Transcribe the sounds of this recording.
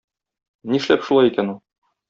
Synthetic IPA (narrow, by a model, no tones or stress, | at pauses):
niʃlæpʃulˠɑjikænulˠ